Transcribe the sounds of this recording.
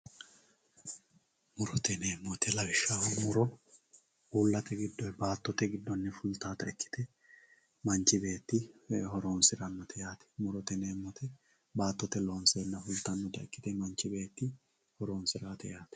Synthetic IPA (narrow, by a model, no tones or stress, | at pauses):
mʊɾɔt̪ɛneːmːɔt̪ʰɛlɐbɪʃːaːwɐmʊɾɔ | uːlːɐt̪ɛɡɪd̪ːɔbaːt̪ːɔt̪ɛɡɪd̪ːɔnːɪfʊlt̪aːt̪ɐɪkːɪ̥t̪ɛ | mɐnt͡ʃɪbeːt̪ːɪhɔɾo̞ːnsɪɾɐnːɔt̪ʰɛjaːt̪ɛ̥mʊɾɔt̪ɛneːmːɔt̪ʰɛ | baːt̪ːɔt̪ɛlo̞ːnseːnːɐfʊlt̪ɐnːɔt̪ɐɪkːɪ̥t̪ɛmɐnt͡ʃːɪbe̞ːt̪ːɪ | hɔɾo̞ːnsɪɾaːt̪ɛjaːt̪ɛ̥